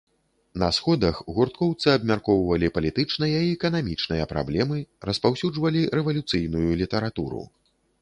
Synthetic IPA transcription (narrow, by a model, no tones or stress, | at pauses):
nɐsxɔd̪ɐxɣurt̪kɔwt̪sɨɐbmʲarkɔwvɐlʲipɐlʲit̪ɨt͡ʂnɨjɐiɛkɐnamʲit͡ʂnɨjɐpɾa̰blʲɛmɨrɐspawsʲud͡ʐvɐlʲiɾɛvɐlʲut̪sɨjnujulʲit̪ɛɾat̪uɾṵ